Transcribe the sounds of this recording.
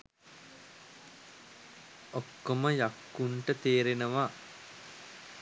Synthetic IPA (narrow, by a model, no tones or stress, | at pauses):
okːoməjakːuɳʈət̪eːɾenəʋa